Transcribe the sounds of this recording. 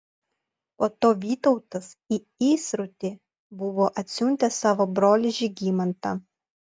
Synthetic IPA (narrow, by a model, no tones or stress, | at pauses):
poːt̪oːʋʲiːt̪ɒʊt̪ɐsi | iːsɾʊt̪ʲɪ | bʊʋoːʔɐt̪ʲsʲunʲt̪ʲɐsɑːʋoːbɾoːlʲɪʒʲɪɡʲiːmɐnt̪ɑ